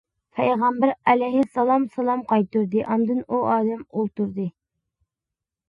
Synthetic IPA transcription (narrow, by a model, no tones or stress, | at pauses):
pʰɛjʁɑmbæɾɛlɛjhɪsɑlˠɑmsɑlˠɑmqɑjt̪uɾd̪ɨʔɑnd̪ɨnuɑːd̪ɛmolˠt̪uɾd̪ɨ